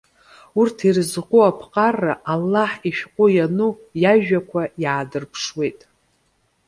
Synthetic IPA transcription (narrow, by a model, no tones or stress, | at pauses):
urtʰirzqʷuapʰqʼarːaʔalːaħiʃᶣqʷʼʊjanu | jaʒᶣakʷʰajaːdɨrpʰʂwe̞jtʼ